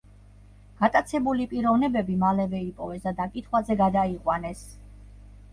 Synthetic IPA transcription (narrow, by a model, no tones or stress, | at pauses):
ɡ̥at̪ʼat̪sʰɛbulipʼiɾɔvnɛbɛbimalɛvɛipʼɔvɛsd̪ad̪akʼit̪ʰχwazɛɡad̪aiqʼwanɛs